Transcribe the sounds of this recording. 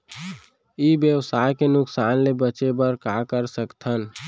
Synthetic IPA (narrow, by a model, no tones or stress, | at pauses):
ibjəwsaːjkenʊksaːnlebət͡ʃebəɾkakəɾsəkt̪ʰən